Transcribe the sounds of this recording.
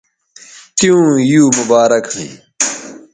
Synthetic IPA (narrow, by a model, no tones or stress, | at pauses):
t̪ijũːjuːmʊbaːɾɐkɦḭ̃